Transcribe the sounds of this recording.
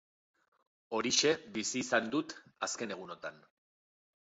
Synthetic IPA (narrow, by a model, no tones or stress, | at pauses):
o̞ɾiʃe̞βisiːsand̪ut̪aske̞ne̞ɣ̞uno̞t̪an